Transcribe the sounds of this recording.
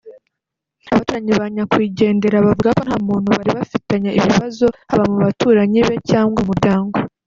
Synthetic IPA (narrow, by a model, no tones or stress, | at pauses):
aβatuːɾaɲiβaɲakwiːɟe̞ːnde̞ɾaβavuɡako̞nhaːmuːn̥huβaɾiβafitaɲaiβiβazo̞haβamuβatʰuːɾaɲiβe̞caːŋɡwamuɾɟaːŋɡo̞